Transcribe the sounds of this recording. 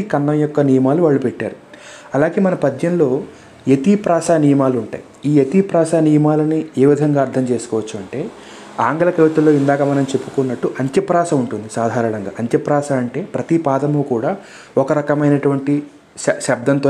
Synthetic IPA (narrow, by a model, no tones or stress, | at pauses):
ikɐnːɐmjɔkːɐnijɐmaːluʋaːɭːupɛʈːa̰ːɾu | ɐlaːɡe̞ːmɐnɐpɐd̪ɲjɐnlo̞ː | et̪ipɾaːsaːnijɐmaːluuɳʈa̰ːji | iːjet̪ipɾaːʃaːnijɐmaːlɐnieːʋid̪ʱɐŋɡaːɐɾt̪ʰːɐmt͡ʃe̞ːsu̥kɔːʋɐt͡ʃːuɐɳʈe̞ː | aːŋɡɐlɐkeʋit̪ɐlːo̞ːind̪aːkɐmɐnɐmut͡ʃe̞pːu̥kunːɐʈːuʔɐɲt̪jɐpɾaːʃɐmuɳʈund̪isaːd̪ʱaːɾɐɳɐŋɡa̰ːɐɲt̪jɐpɾaːʃaːɐɳʈe̞ːpɾɐt̪ipaːd̪ɐmuːkuːɽaː | ɔkɐɾɐkɐmɐjnɐʈuʋɐɳʈi | ʃɐb̚d̪ʱɐnt̪oː